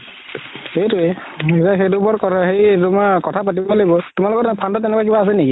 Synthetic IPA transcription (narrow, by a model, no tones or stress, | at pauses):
hejtʊetaxejdubɔɹkɔtaxejtumɔkɔtʰapat̬ibɔlebɔtumalɔkɔtpʰandatːɛnɛkwakibaːs̬ɛniki